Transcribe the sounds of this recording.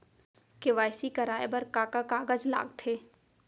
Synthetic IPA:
keʋaːɪsikɐɾaːebɐɾkaːkakaːɡəd͡ʒla̰ːɡt̪ʰeː

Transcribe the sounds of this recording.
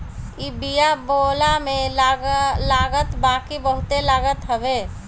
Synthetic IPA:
ibijabolamẽ | laːɡət̪bãːkibəɦʊt̪elaːɡət̪ɦəbe

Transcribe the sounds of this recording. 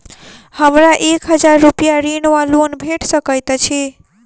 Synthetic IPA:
həmɾaʔekɦəd͡ʒaɾːupijaɾinwalonbʱeʈsəkəjt̪t͡ʃʰi

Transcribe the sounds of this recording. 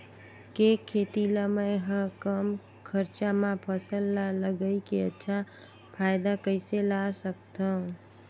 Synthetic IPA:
kekʰːet̪iləməjɦə̃kəm | kʰəɾt͡ʃamãpʰəsəlːaləɡəjkeətːʃʰa | pʰajd̪akəɪselasəkt̪əũ

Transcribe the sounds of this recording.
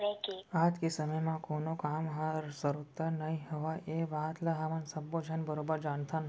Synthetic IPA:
ɾekeat̪kesəməjmãkonokamɦasəɾut̪anəɦĩɦəʋaʔeʋaɦt̪ləɦamansəbːod͡ʒənbəɾobəɾd͡ʒant̪ʰan

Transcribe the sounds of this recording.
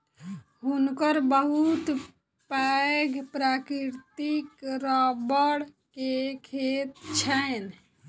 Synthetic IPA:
ɦunkəɾbəɦut̪ | paɡpɾakɾiɾt̪ikɾabəɽ | kekʰet̪t͡ʃʰɛn

